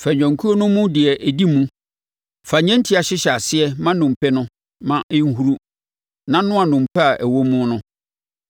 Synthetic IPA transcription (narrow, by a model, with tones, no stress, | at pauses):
fæ˨ɲᶣã˨ŋkʰu˦o˦nʊ̃˦mũ˦dɪ˨ɛ˨ʔæ˨di˦mũ˦ | fa˨ɲɛ̃˦n˦tʰi˦a˨ɕɪ˦ɕɛ˨a˨sɪ˦ɛ˦mã˦nʊ̃˨m̩˨pʰɛ˦nʊ̃˦ | mã˨ʔɪ̃˦ŋ̩˦ɦu˦ɾu˦ | nã˦nʊ̃˦a˨nʊ̃˨m̩˨pʰɛ˦a˨ʔæ˨wo˦mũ˦nʊ̃˦